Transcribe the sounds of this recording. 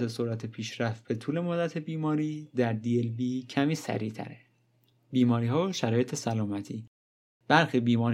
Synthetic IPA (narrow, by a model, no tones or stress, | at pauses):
esoɾæt̪ʰepʰiːʃɾæft̪̚b̥e̞t̪ʰuːle̞mod̪ːæt̪ʰe̞biːmɒːɾiːd̪æɾd̪ielbiːcʰæmiːsæ̰ɾiːt̪ʰæ̰ɾe | biːmɒːɾiːɦɒːʃæɾɒːjet̪ʰe̞sælɒːmæt̪ʰiː | b̥æɾxibiːmɒːɾ